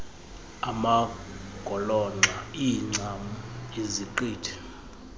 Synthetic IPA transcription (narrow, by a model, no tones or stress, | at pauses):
amaɡ̥ʼʱɔlɔŋ͡ǀaiŋ͡ǀamuiziǃiːtʰɛ̥